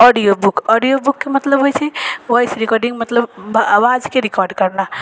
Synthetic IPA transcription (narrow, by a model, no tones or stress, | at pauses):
ɔɖijobukɔɖijobukːemət̪ləbɦojt͡ʃʰɛʋɔjsɾikɔɾɖiŋɡmət̪ləbawad͡ʒkeɾikɔɾɖkəɾna